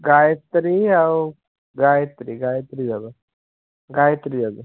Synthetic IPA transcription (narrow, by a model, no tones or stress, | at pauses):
ɡajt̪ɾiaw | ɡajt̪ɾiɡajt̪ɾid͡zab̪a | ɡajt̪ɾid͡zad̪ə